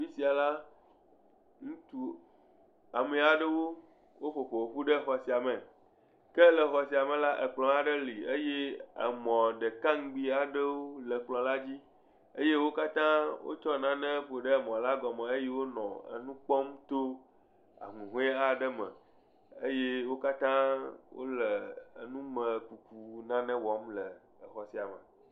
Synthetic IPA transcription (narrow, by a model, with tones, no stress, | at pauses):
fi˦si˨a˨la˦ | ŋũ˦t̪u˨ | a˨mẽ˨a˨ɖe˦wo˦ | wo˦ɸo˨ɸo˨wo˨ɸu˦ɖe˦xɔ˨si˨a˨mẽ˨ | ke˦lɛ˨xɔ˨si˨a˨mẽ˨la˦ʔḛ˨k͡plɔ̃˨a˨ɖe˦li˨e˦je˦ə̰˨mɔ̃˨ɖe˨kã˦ŋ˦ɡ͡bi˦a˨ɖe˦wo˦lɛ˨k͡plɔ̃˨la˦d͡ʑi˦ | ə˦je˦wo˦ka˦t̪ã˦wo̰˦t͡ʃɔ˦˨nã˦nɛ̃˦ɸo˨ɖə˦˨mɔ̃˨la˦ɡɔ˨mɛ̃˨ə˦je˦wo˦nɔ̰̃˨ə̰˨nũ˦k͡pɔ˦mt̪o˦ | a̰˨ŋũ˨ɦu˦e˦a˨ɖə˦mə̰̃˨ | ə˦je˦wo˦ka˦t̪ã˦wo̰˦lə˨ə̰˨nũ˦mə̃˨ku˨ku˨nã˦nɛ̃˦wɔ˦mlə˨ | xɔ˨si˨a˨mə̃˨